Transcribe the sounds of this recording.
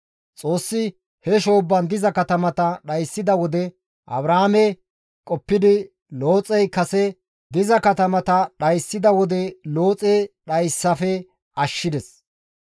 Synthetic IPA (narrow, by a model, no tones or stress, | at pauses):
t͡sʼo̞ːsːɪ | hɛʃo̞ːbːɐnd̪ɪzɐkɐt̪ɐmɐt̪ɐɗɐjsːɪd̪ɐwɔd̪ɛ | ʔɐ̰bɾaːmɛ | kʼɔpːɪd̪ɪ | lo̞ːt͡sʼɛjkɐsɛ | d̪ɪzɐkɐt̪ɐmɐt̪ɐɗɐjsːɪd̪ɐwɔd̪ɛloːt͡sʼɛɗɐjsːɐfɛ | ɐʃːɪd̪ɛs